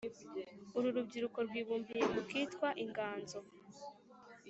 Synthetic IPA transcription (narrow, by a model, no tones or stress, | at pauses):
uɾuɾub̚ɟiɾuko̞ɾwiːβuːmbije̞mukiːtkwaʔiŋɡaːnzo̞